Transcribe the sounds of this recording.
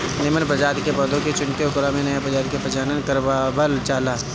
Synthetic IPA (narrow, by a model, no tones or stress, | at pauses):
nɪmənpɾɐd͡ʒaːd̪kebəd̪õket͡ʃʊɳkeʊkʊɾamẽnɐjapɾɐd͡ʒaːd̪kepɐt͡ʃaːnənkɐɾbabəlt͡ʃaːlaː